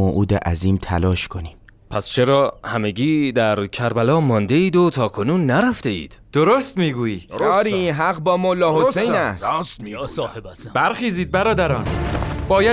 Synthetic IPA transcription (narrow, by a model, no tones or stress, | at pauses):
oʔuːd̪eʔæziːmt̪ʰælɒːʃkʰoniːmpʰæst͡ʃʰe̞ɾɒːhæmeɟiːd̪æɾcʰæɾbælɒːmɒːnd̪e̞iːd̪ot̪ʰɒːkʰo̞nuːnːæɾæft̪e̞ḭːd̪̥d̪̥oɾost̪miːɡuːji̥ːɒɾinɦæɣbɒːmolːɒːhosejnæssshb̥æɾxiːziːd̪̚bæɾɒːd̪æɾɒːnb̥ɒːjæ